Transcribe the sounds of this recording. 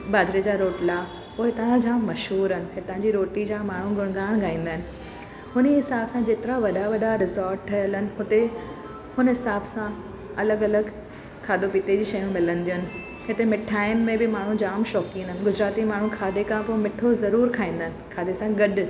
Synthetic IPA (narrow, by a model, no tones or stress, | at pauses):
baːd͡ʑɾed͡ʑaːɾoːʈla | poːɦɪt̪ãd͡ʑãːmmɐʃɦuːɾɦənɪ̆ɦɪt̪ə̃ɲd͡ʑiɾoːʈid͡ʑaːmaːɳ̤ũɡʱʊɽ̃ɡaːɽ̃ɡaːĩːnd̪əɦɪnɪ̆ | hʊniɦɪsaːbsãd͡ʑeːt̪ɪɾaʋɐɗaʋɐɗaɾɪzɔːɾʈʈʰɐjələnɪ̆ɦʊt̪e | hʊnəɦɪsaːbsã | ɐləɡɐləɡ | kʰaːd̪opiːt̪ed͡ʑiːʃɐjũmɪlə̃nɪ̆d̪ijʊnɪ̆ | hɪt̪emɪʈʰaːɪnmẽbɪmaːɳ̤ũd͡ʑaːmʃɔːkĩːənd̪əɦɪnɪɡʊd͡ʑɾaːt̪imaːɳ̤ũkʰaːd̪ekʰãpomɪʈʰozɐɾuːɾkʰaːĩːnd̪əɦɪnɪ̆kʰaːd̪esãɡɐɗ